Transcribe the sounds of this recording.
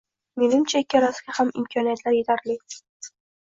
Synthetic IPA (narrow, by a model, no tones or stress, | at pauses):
menɪmt͡ʃʰaikʲːɪɾaskʲahamɪ̰mkʰɒnijat̪laɾjet̪ʰaɾli